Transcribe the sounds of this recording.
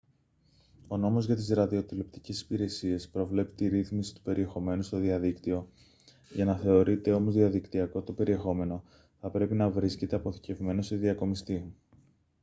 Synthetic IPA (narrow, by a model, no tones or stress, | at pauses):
o̞no̞mo̞zʝɐt̪izɾɐðio̞t̪ilopt̪i̥cesi̥piɾe̞sie̞spɾo̞vle̞pi̥t̪iɾiθmisi̥t̪u̥pe̞ɾʔie̞xo̞me̞nust̪o̞ðiɐðikt̪io̞ | ʝɐnɐθe̞o̞ɾit̪e̞o̞mo̞zðiɐðikt̪iɐko̞t̪o̞pe̞ɾie̞xo̞me̞no̞ | θɐpɾe̞pinɐvɾisce̞t̪e̞ɐpo̞θi̥ce̞vme̞nose̞ðiɐko̞mist̪i